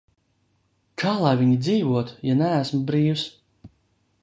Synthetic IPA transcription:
kʰaːlˠajvʲiɲid̪ziːvuɔt̪janææsmbɾiːws

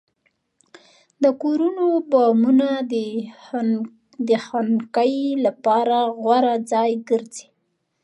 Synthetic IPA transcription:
d̪əkoɾunobɑmunad̪ | d̪əxankəjlapɑɾaɣwaɾad͡zɑjɡəɾzi̥

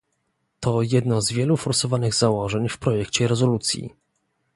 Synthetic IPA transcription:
t̪ɔjɛd̪nɔzvʲjɛlufɔɾsɔvanɘɣzawɔʐɛɲfpɾɔjɛkt͡ɕɛɾɛzɔlut̪sʲjḭ

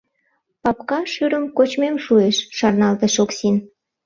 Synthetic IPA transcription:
pɑpkɑʃyɾəmkot͡ɕmemʃueʃːɑrnɑlt̪eʃoksin

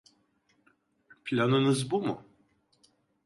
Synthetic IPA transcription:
pʰlʲanɯnɯzbumṵ

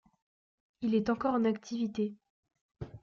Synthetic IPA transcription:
ilɛt̪ɑ̃kɔʁɑ̃nak̚t̪ʰivit̪e

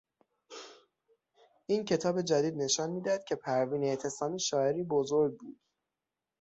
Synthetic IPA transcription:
ʔiːncʰe̞t̪ʰɒːbe̞d͡ʒæd̪iːd̪ne̞ʃɒːnmiːd̪ææd̪̥̚cʰe̞pʰæɾviːnet̪ʰe̞sɒːmiːʃɒːe̞ɾiːbozoɾɡ̚buːd̪̥

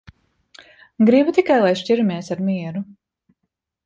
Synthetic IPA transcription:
ɡɾibut̪ikajlˠajʃciɾumiɛsaɾmiɛɾu

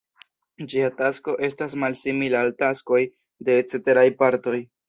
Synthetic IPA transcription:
d͡ʒiatasko̞ʔe̞stasmalsimilaːltasko̞j | de̞t͡seteɾajpaɾto̞j

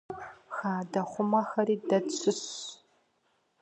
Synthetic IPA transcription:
xaːdɐχʷʊmɐxɐɾiːdɐt͡ʃʰɨɕ

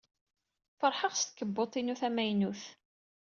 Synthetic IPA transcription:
fəɾˤħəʁst̪̚kːəbːot̪ˤːinuθæmæjnuθ

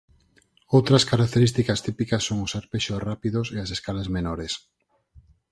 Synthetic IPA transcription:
owt̪ɾɐskaɾak̚t̪eɾist̪ikɐst̪ipikɐsːoŋʊsaɾpeʃorapiðʊseaseskalazmenɔɾes

